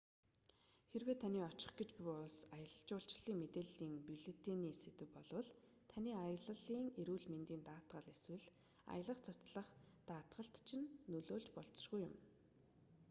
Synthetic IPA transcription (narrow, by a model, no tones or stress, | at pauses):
xerweːt̪ʰaniːɔt͡ɕɪ̆χɡet͡ɕpiʊɮsajə̆ɮə̆ɬt͡ɕʊːɬt͡ɕɮiːŋmet̪eːɮiːŋpiɮit̪eniːset̪ɘ̆wpɔɮwɞ̆ɮ | t̪ʰaniːajə̆ɮə̆ɮiːŋeɾuːɮment̪iːnt̪aːt̪ɢə̆ɮeswɘ̆ɮ | a̰jə̆ɮə̆χt͡sʰʊt͡sɮə̆χ | t̪aːt̪ɢə̆ɬt̪t͡ɕʰinːɵɮoːɮt͡ɕpɔɮt͡s̆ʃɡujʊ̰m